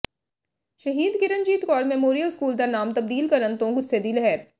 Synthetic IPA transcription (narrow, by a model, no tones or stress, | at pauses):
ʃəɦiːd̪kɪɾənd͡ʒiːt̪kɔːɾmɛmoːɾijəlskuːld̪anaːmt̪ɐb̚d̪iːlkəɾənt̪õɡʊsːed̪ilɐɦɛːɾ